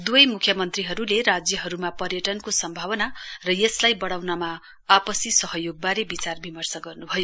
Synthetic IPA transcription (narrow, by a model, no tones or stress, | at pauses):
d̪uʌjmukʰjʌmʌnt̪riɦʌɾulerad͡zjʌɦʌɾumapʌrjʌʈʌnkosʌmbʱawʌnarʌjeslajbʌɽawnama | apʌsisʌɦʌjoɡ̚baɾebit͡sarbʱimʌrsʌɡʌrnubʱʌjo